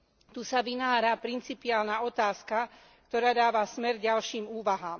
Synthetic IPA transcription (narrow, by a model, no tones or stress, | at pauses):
t̪uːsaʋinaːɾapɾint͡sipiaːlnaɔt̪aːska | kt̪ɔɾaːd̪aːʋasmɛɾɟalʃiːmuːʋaɦaːm